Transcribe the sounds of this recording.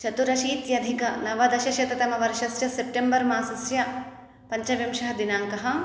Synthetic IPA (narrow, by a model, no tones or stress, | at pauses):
t͡ʃɐt̪uɾɐʃiːt̪jɐd̪ʱikɐnɐʋɐd̪ɐʃɐʃjɐt̪ɐt̪ɐmɐʋɐɾʃɐsjɐsep̚ʈembɐɾmaːsɐsjɐ | pɐɲt͡ʃɐʋjɐmʃɐɦɐd̪inaːŋkɐɦɐ̆